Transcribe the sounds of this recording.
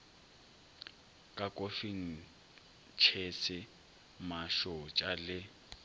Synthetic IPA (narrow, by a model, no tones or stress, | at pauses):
kʼakʼofiŋ̩ | t͡ʃʰesɪ | maʃɔt͡ʃʼalɪ